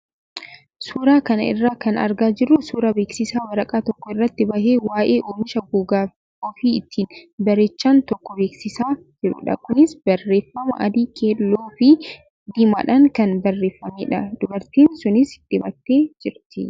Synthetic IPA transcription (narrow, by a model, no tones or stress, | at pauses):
suːɾaːkɐnɐ̰ɪ̰rːaːkɐnɐ̰ɾɡaːd͡ʒɪrːʊsuːɾɐbeːksɪsaːwɐɾɐkʼaːt̪ɔkːɔɪrːɐt̪ːɪbɐheːwaːʔe̞ːʔoːmɪʃɐɡuːɡaː | oːfiɪt̪ʰːiːnbɐɾeːt͡ʃːaːnt̪ɔkːɔbe̞ːksɪsaː | d͡ʒɪɾʊ̰ᶑɐ̰kʊnɪsbɐrːe̞ːfːɐmɐ̰ʔɐd̪iːkʰeːlːoːfɪ | d̪ima̰ːᶑɐŋkɐnbɐrːe̞ːfːɐmeːᶑɐd̪̥ʊbɐɾt̪iːnsʊnɪsɪt̪ːɪbɐt̪ːeːd͡ʒɪɾt̪ɪ